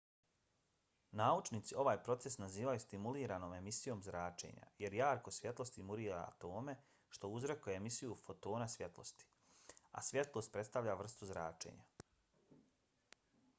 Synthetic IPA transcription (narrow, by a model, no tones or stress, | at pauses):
naːut͡ʃnit̪sio̞ʋaːjpɾo̞t̪se̞snaziːʋajust̪imuliːɾano̞ːme̞misijo̞ːmzɾaːt͡ʃe̞̰ːɲa̰je̞ɾjaːɾko̞sʋje̞t̪lˠo̞st̪imuɾiːɾa̰a̰t̪o̞ːme̞ | ʃt̪o̞uzɾekojeemisijufo̞t̪o̞ːnasʋje̞t̪lo̞̰st̪i̥ | a̰sʋje̞t̪lˠo̞st̪̚pɾe̞t̪st̪aʋʎaʋr̩st̪uzɾaːt͡ʃe̞̰ɲa